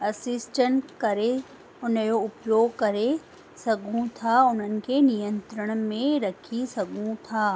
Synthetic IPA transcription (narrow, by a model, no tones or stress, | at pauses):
ɐsɪsʈəɳʈkɐɾe | ʊnjoʊpjoːɡ̚kɐɾe | sɐɡʱũt̪ʰaʊn̤ənɪ̆kenijə̃nt̪ɾəɽ̃mẽɾɐkʰisɐɡũt̪ʰaː